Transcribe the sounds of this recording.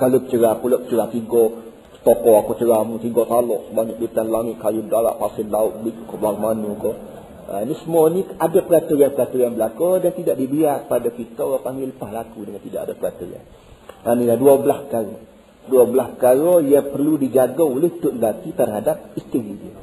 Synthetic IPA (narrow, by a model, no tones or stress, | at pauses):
kalokə̥t͡ʃəɾapuloʔkə̥t͡ʃəɾat̪iɡo | sə̥t̪okɔakot͡ʃəɾamut̪iɡot̪alɔʔsəbaɲak̚bit̪anlaŋɪt̪̚kajudaɾa̰ʔfasɪnlaʊt̪̚bikkɔbaŋmanuko | a̰nisəmuaniadapəɾat̪ujanpəɾat̪ujanbəlakodant̪idaʔdibiarkə̥padakit̪əapaŋɡɪləpahlakudəŋãnt̪idaʔadapəɾat̪uɾa̰n | aniladuabəlaspəkaɾo | duabəlaspəkaɾojaŋpərludid͡ʒaɡaulɪht̪ʊʔŋɡat̪it̪ərɦadap̚ist̪iɾidiə